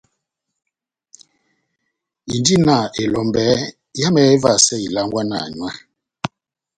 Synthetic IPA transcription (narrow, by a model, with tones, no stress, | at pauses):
i˨ndi˦na˨ʔe˨lɔ˨mbɛ˨˦ | ja˦mɛ˨˦e˦va˨sɛ˦i˨la˦ŋɡwa˦na̰˨ɲwa˦